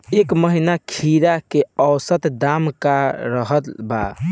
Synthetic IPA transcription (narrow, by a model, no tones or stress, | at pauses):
ekməɦinakʰiɾakeəwsət̪d̪amkaɾəɦət̪ba̰